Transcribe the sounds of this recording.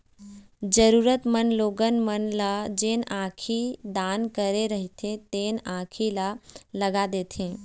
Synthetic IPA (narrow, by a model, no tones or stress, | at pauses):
d͡ʒəɾuːɾət̪mənloːɡənmənlad͡ʒeːnãːkʰid̪aːnkəɾeɾəɦit̪ʰẽt̪eːnãːkʰilaləɡad̪eːt̪ʰẽː